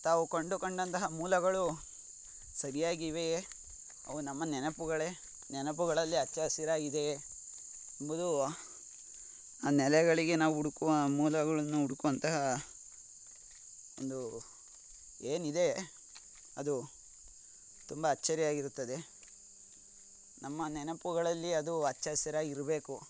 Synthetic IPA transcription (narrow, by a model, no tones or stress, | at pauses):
t̪aːʋukoɳɖukoɳɖɐnt̪ɐɦɐmuːlɐɡɐɭu | sɐɾijaːɡiʋe | ɐ̰ʋunɐmːɐnɛnɐpuɡɐɭe | nɛnɐp̬uɣɐɭɐlːiɐt͡ʃːɐsiɾaːɡid̪e̞ | ɐmbud̪u | aːnɛlɛɡɐɭiɡe̞naːʋuuɽukuʋɐmuːlɐɡɐɭɐnːuuɽukuʋɐnt̪ɐɦɐ | ond̪u | eːnid̪e̞ | ɐd̪u | t̪umbɐːt͡ʃːɐɾijaːɡiɾut̪ːɐd̪e̞ | nɐmːɐnɛnɐpuɣɐɭɐlːiɐd̪uɐt͡ʃːaːsjɐɾaːɡiɾɐbe̞ːku